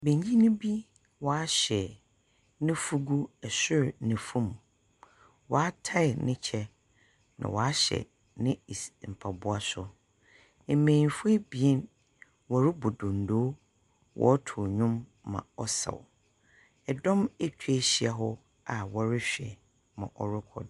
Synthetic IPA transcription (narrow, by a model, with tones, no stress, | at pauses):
bẽ˨ɲĩ˦nʊ̃˦bi˦ | wɔ˨a˦ɕɛ˨ | nɪ̃˦fu˦ɡu˦ɛ˨sʊ˦ɾnɪ̃˨fũ˦˨m˨ | wɔ˨a˦tʰa˦ɪ˨nɪ̃˦t͡ɕʰɛ˦ | nã̰˨wɔ˨a˦ɕɛ̰˨ | nɪ̃˦˨m̩˨pʰa˨bʊ˦a˦sʊ˦ | e˨mẽ˨fbi˨ɛ˦n | wɔ˨ɾɪ˦bʊ˨dʊ̃˨n˨do˦ | wʔɔ̰˨˦tʰʊ˨ɲʊ̃˦mː | ã̰˨ɔ˦sa̰˨w | ɛ˨dɔ̃˦me˦t͡ɕʰᶣɥe˦ɕi˦a˨ɦɔ˦ | a˨wɔ˨ɾɪ˦ɕᶣɛ˨ | mã̰˨ʔɔ˨ɾʊ˦kʰɔ̰˨d